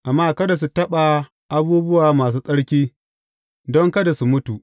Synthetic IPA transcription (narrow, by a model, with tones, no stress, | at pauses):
ʔa˨mːaː˦kɐ˦da˨s̬u˨tɐ˦ɓa˨ | ʔa˦buː˦bʊ˦waː˨maː˨s̬uː˦sʼɐ˦ɽkʲiː˦ | dɔ˦ŋkɐ˦da˨su˨mʊ˦tu˨ʔ